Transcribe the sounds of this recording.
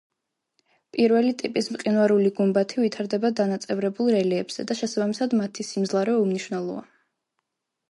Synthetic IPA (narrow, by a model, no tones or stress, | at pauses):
pʼiɾvɛlit̪ʼipʼismqʼinvaɾuliɡumbat̪ʰivit̪ʰaɾd̪ɛbad̪anat̪sʼɛvɾɛbulˠɾɛliɛbz̥ɛ̰d̪aʃɛsabamisad̪mat̪ʰisimzlˠaɾɛumniʃvnɛlˠɔ̰a̰